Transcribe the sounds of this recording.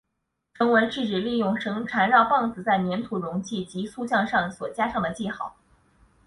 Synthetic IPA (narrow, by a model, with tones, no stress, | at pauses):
ʈ͡ʂʰɤ˧˥ŋwə˧˥nʈ͡ʂɻ̩˥˩ʈ͡ʂɻ̩˨˩li˥˧jʊ˥˩ŋʂɤ˧˥ŋʈ͡ʂʰa˧˥nɻɑ˥˧ʊpɑ˥˩ŋt͡sɹ̩˨˩t͡sa˥˩ɪmjɛ˧˥nt̪ʰu˨˩ɻʊ˧˥ŋt͡ɕʰi˥˩t͡ɕi˧˥su˥˧t͡ɕjɑ˥˧ŋʂɑ˥˩ŋswɔ˨˩t͡ɕja˥ʂɑ˥˩ŋd̪ə˩t͡ɕi˥˧xɑ˥˩˦ʊ